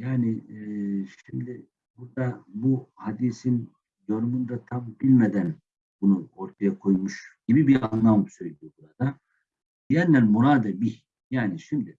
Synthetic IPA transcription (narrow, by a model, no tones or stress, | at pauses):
jaːni | ʃimd̪i | buɾd̪abuhad̪isin | jo̞numund̪at̪ʰambilʲmed̪æn | bunuo̞ɾt̪ʰajakʰo̞jmuʃɟ̥ibibiɾanlˠamsøjlʲijobuɾad̪a | biænːælʲmuɾaːd̪ɯbih | jaːniʃimd̪i